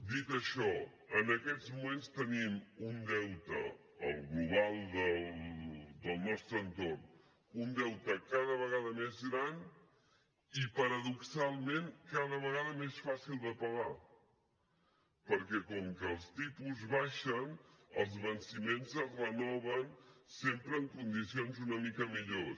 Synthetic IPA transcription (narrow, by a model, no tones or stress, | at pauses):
d̪it̪əʃɔ | ənəkɛd͡zmumenst̪ənimund̪ɛwt̪ə̰ | ə̰lˠɣluβalˠd̪əlˠd̪əlˠnɔst̪ɾənt̪orn | und̪ɛwt̪əkaðəβəɣaðəmezɣɾan | ipəɾəðuksalˠmẽŋkaðəβ̞əɣaðəmesfasilˠd̪əpəɣa | pəɾkɛkɔŋkəːlˠst̪ipuzβaʃənə̰lˠzβənsimenzəzrənɔβ̞ənsempɾəːŋkund̪isionzunəmikəmiʎo